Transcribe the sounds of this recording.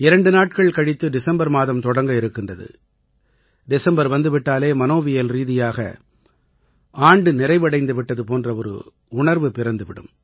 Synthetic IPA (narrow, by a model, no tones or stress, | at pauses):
ɪɾɐɳɖɯnaːʈ̚kɐɭkɐɽɪt̪ːɯɖɪsɐmbɐɾmaːðɐmt̪ɔɽɐŋɡɐɪɾɯkːɪndrɐðɯ̰ | ɖɪsɐmbɐɾʋɐnd̪ɯʋɪʈːaːleːmɐnoːʋɪjɐlɾiːðɪjaːɣɐ̰ | aːɳɖɯnɪɾɐɪʋɐɽɐɪnd̪ɯʋɪʈːɐðɯpoːndrɐɔɾɯ̰ | ʊɳɐɾʋɯpɪɾɐnd̪ɯʋɪɽɯ̰m